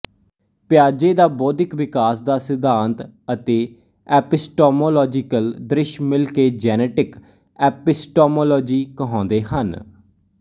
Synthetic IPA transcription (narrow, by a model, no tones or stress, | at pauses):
pjaːd͡ʒeːd̪aːbɔːd̪ɪkʋɪkaːsd̪aːsɪd̪aːnt̪ət̪eː | ɛːpɪsʈoːmoːlɔːd͡ʒɪkəld̪ɾɪʃmɪlkeːd͡ʒɛːnɛːʈɪk | ɛːpɪsʈoːmoːlɔːd͡ʒiːkəɦɔ̃ːnd̪eːɦən